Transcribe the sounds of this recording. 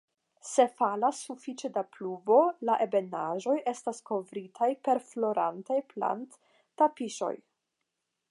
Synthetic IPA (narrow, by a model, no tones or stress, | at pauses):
se̞falasːufit͡ʃe̞dapluvo̞laʔe̞be̞naʒo̞jʔe̞stasko̞vɾitʰajpe̞ɾflo̞ɾa̰ntajpla̰ntː | apiʃo̞̰j